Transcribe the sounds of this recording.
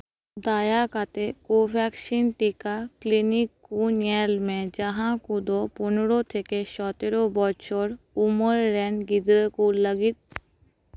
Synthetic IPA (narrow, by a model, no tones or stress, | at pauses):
d̪ajakat̪ekopɛkʃinʈikaklinikːunɛlmed͡ʑaɦãkud̪opunoɾot̪ʰekeʃɔt̪eɾobɔt͡ɕʰoɾ | umoɾːɛɳɡid̪ɾekulləɡit̪̚